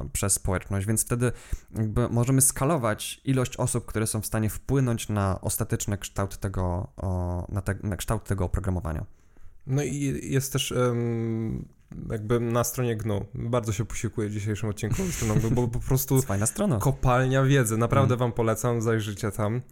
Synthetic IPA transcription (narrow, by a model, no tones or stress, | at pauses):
pʂɛsːpɔwɛt͡ʂnɔɕd͡ʑvʲɛnt̪ft̪ɛd̪ɘjaɡ̚bɘmɔʐɛmɘskalɔvat͡ɕilɔɕt͡ɕɔsup̚kt̪uɾɛsɔ̃w̃fst̪aɲɛfpwɘnɔɲt͡ɕnaʔɔ̰st̪at̪ɛt͡ʂnɛkʂt̪awt̪ːɛɡɔ | nat̪ɛnakʂt̪awt̪ʰːɛɡɔːpɾɔɡɾamɔva̰ɲa̰ | nɔijɛst̪t̪ːɛʂ | jaɡ̚bɘnast̪ɾɔɲɛɡnubaɾd̪zɔɕɛpu̥ɕiwkujɛvd͡ʑiɕ̬ejʂɨmɔt̪̚t͡ɕːinkust̪ɾɔnɔ̃ɡbɔpɔpɾɔst̪ufajnast̪ɾɔnakɔpalɲavʲjɛd̪zɛnapɾavd̪ɛvampɔlɛt̪samzajʐɘt͡ɕɛt̪am